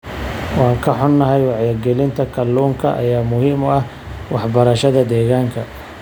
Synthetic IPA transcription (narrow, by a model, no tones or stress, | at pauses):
wɑːŋkʰɐħʊnːɐɦɛjwɑʕjɐɡɛlɪnt̪ʰɐkʰɐlːuːŋkʰɐ̰ʔɐ̰jaːmʊhiːmɔɐh | wɑħbɐɾɐʃɐðɐd̪ɛːɣaːŋkʰɐ